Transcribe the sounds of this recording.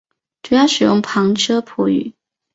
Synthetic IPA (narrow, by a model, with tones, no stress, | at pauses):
ʈ͡ʂu˥jɑ˥ʂɻ̩˨˩jʊ̰˥˩ŋpʰɑ˧˥ŋʈ͡ʂʰɤ˥pʰu˧˥y̰˨˩˦